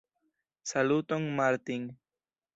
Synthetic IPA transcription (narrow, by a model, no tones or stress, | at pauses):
salut̪oŋmaɾt̪iŋ